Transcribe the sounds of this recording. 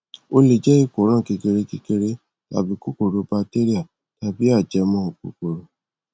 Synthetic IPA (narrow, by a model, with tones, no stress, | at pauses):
o˦le˨d͡ʒɛ˦i˦˨ko˨˦ɾ̃ã˦˨ki˧ke˧ɾe˧ki˧ke˧ɾe˦ | a̰˨bi˧˦ko˦ko˨ɾo˧˦ba˧te˦ɾi˦a˦˨ | ta˧bi˦a˦˨d͡ʒɛ˧˦mɔ̃˧˦o˨kṵ˨ko˨ɾo˨